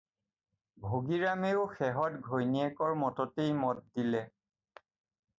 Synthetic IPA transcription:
bʱoɡiɹameʊxɛɦɔtɡʱojniɛkɔɹmɔtɔtejmɔt̚dilɛ

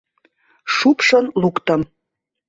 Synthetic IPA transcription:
ʂupʂə̆nlukt̪ə̆m

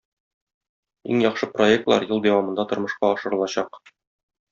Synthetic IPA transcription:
ḭŋjɒqʃɤpro̞ek̚t̪lˠɑ̰ɾjɤ̆lˠd̪æwɑmɤ̆nd̪ɑt̪ŏɾmɤ̆ʃqɑɒʃɤ̆ɾɤ̆lˠɑɕɑq

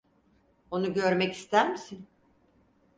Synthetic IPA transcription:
o̞nuɟøɾmɛci̥st̪ʰæɾmisin

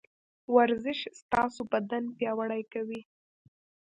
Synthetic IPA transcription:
waɾzɪʃst̪ɑsobad̪anpjɑwaɽajkawi

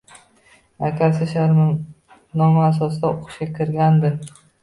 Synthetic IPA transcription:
akʲʰasɪʃaɾmɪ | nɒmaasɒsd̪aoqʃakʲʰɪɾɡʲand̪ɪm

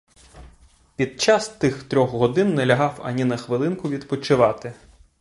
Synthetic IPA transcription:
pʲid̪̚t͡ʃɑst̪ɪxt̪ɾʲɔxɦɔd̪ɪnːɛlʲɐɦɑwɐ̰nʲinɐxʋɪlˠɪnkʊʋʲid̪pɔt͡ʃɪʋɑt̪ɪ

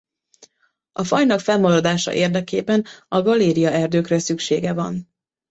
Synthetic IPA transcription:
ɒfɒjnɒkfɛlmɒɾɒd̪aːʃɒ̰ʔeːrd̪ɛkeːbɛnɒɡɒleːɾijɒɛrd̪øːkrɛsykʃeːɡɛvɒn

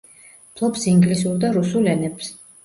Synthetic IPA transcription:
pʰlˠɔpsiŋɡlisuɾd̪aɾusulɛnɛps

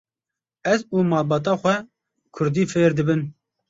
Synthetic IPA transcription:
ɛzuːmɑːlbɑːt̪̬ɑːxʷɛ | kʰʊɾd̪iːfeːɾd̪ɨbɨn

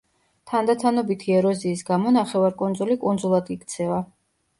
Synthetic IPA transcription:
t̪ʰand̪at̪ʰanɔbit̪ʰiɛɾɔziːsɡamɔnaχɛvaɾkʼund̪zulikʼund̪zulˠad̪ikʰt̪sʰɛva

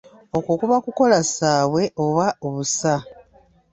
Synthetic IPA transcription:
o̞kokuβakuko̞lasaːβwe̞o̞βaoβusa

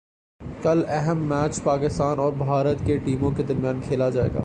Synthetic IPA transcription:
kɐlɛɦɛmːɛːt͡ʃpaːkɪst̪aːnɔːɾbʱaːɾət̪keʈiːmõked̪ɐɾmjaːnkʰeːlad͡ʒaːḛːɡa̰ː

